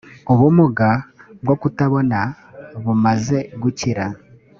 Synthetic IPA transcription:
oβumuɡabwokutaβo̞na | βumaze̞ɡuciɾa

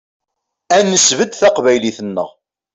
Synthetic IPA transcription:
ænːəsvəd̪θæqvæjliθənːə̰ʁ

